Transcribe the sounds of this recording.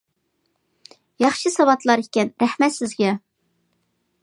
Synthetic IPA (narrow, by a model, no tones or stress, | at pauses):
jɑχʃɨsɑwɑt̪lˠɑɾikʲɛnɾæhmɛt̪sɪzɡʲɛ